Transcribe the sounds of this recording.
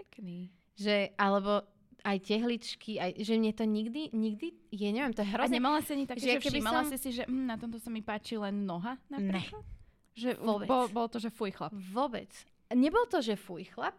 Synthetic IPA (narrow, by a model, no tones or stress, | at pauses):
ɛkniː | ʒɛalɛbɔ | ajcɛɦlit͡ʃkʰiajʒɛmɪɛt̪ɔɲiɡd̪iɲiɡd̪ijaɲɛʋiɛmt̪ɔjɛɦɾɔɲɲɛmalasiaɲit̪akʒɛɛaɛkɛbimalamsɛsiʒɛʔm̩nat̪ɔmt̪ɔsamipaːt͡ʃilɛnnɔɦanapɾɛklat̪ | ʒɛɔbɛbɔlbɔlt̪ɔʒɛfujxlapʋɔbɛ̰t͡s | ɲɛbɔlt̪ɔʒɛfujxlap̚